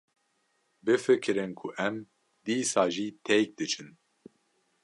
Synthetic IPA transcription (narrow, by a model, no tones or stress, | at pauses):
bɨfɨkʰɨɾɨnkʰuʔɛm | d̪iːsaːʒiːt̪ʰɛjk̚d̪ɨt͡ʃʰɨn